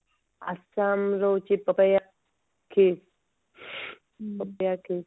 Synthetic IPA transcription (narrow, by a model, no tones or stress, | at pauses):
a̰saːmɾowt͡ʃepɐpɐja | kʰe | pɐpjakʰeː